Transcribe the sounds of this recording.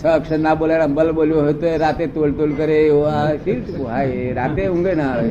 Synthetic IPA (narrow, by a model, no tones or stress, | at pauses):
səːkʂənːaboljaɾambəlboljoɦot̪oeɾat̪et̪olt̪olkəɾejoʋasiʈɦajɾat̪eũŋɡəna